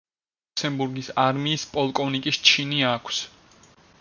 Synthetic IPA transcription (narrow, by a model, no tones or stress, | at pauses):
sɛmbuɾɡisaɾmiːspʼɔlˠkʼɔvnikʼist͡ʃʰiniakʰs